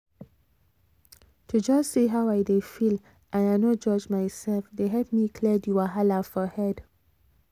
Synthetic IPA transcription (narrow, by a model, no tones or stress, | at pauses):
tʰud͡ʒɔssiɦawajdefil | ʔãnanod͡ʒɔd͡ʒmajsɛlfd̪eɦɛlp̚mikʰlɛdjuaɦalafɔhɛd